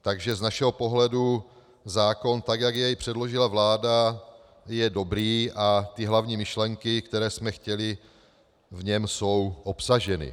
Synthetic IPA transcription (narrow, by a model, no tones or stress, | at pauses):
t̪aɡʒɛznaʃɛɦo̞po̞ɦlɛdu | zaːko̞nt̪akjaɡjɛjpr̝̥ɛdlo̞ʒɪlavlaːda | jɛdo̞bɾiːʔat̪ɪɦlavɲiːmɪʃlɛŋkɪkt̪ɛɾɛːsmɛxcɛlɪ | vɲɛmso̞wʔo̞psaʒɛnɪ̰